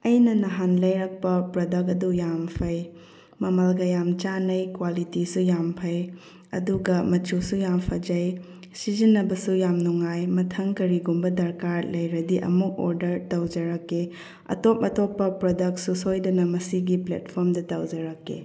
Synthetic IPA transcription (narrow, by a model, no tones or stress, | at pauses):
ɐjnɐnɐɦanlɐjɾɐk̚pɐpɾodɐk̬ɐdujampʰɐj | mɐmɐlɡɐjamt͡ʃanɐjkwalitisujampʰɐj | ɐ̰duɡɐmɐt͡ʃusujampʰɐd͡ʒɐj | sizinːɐbɐsujamnuŋajmɐtʰɐŋkɐɾiɡumbɐdɐɾkaɾlɐjɾɐdiʔɐ̰muk̚o̰ɾdɐɾtɐwd͡ʒɐɾɐkːe | ɐ̰top̚ɐtopːɐpɾodɐk̚susojdɐnɐmɐsiɡiplḛt̚pʰoɾmdɐtawd͡ʒɐɾɐkːḛ